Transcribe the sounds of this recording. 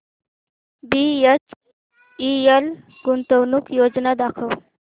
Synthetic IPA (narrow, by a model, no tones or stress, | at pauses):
biet͡ʃ | iel | ɡunt̪ownukjoːd͡ʒnad̪akʰəw